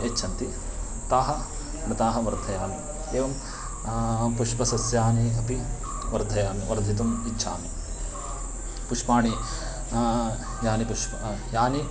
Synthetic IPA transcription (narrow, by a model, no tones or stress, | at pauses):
et͡ʃːʰɐnt̪i | t̪aːɦɐ | nɐt̪aːɦɐʋɐɾd̪ʱɐjaːmi | eːʋɐm | puʂpɐsɐsjaːniɐpi | ʋɐɾd̪ʱɐjaːmiʋɐɾd̪ʱit̪umiʃʰa̰ːmi | puʂpaːɳi | jaːnipuʂpɐjaːni